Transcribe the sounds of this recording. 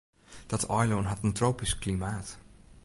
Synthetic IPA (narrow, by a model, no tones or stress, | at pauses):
d̥ɑtɔjlonɦɑtəntrowpisklimaːt